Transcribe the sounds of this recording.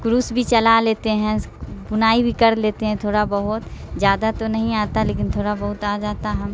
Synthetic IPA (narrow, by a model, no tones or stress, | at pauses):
kɾuːsbʱit͡ʃɐlaleːt̪eɦɛ̃ | bʊnaːibʱikɐɾleːt̪eɦɛ̃t̪ʰoːɽabɐɦʊt̪d͡ʒjaːd̪at̪onɐɦĩaːt̪aleːkɪnt̪ʰoːɽabɐɦʊt̪aːd͡ʒaːt̪aɦɐm